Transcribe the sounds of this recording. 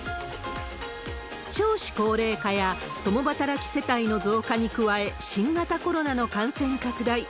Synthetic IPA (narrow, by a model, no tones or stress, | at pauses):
ɕo̞ːɕi̥ko̞ːɾe̞ːkaja | t̪o̞mo̞bat̪aɾakʲi̥se̞t̪aino̞zo̞ːkaɲ̟ikɯ̟βae̞ɕĩŋɡat̪ako̞ɾo̞nano̞kãɰ̃sẽ̞ŋkakɯ̟d̪ai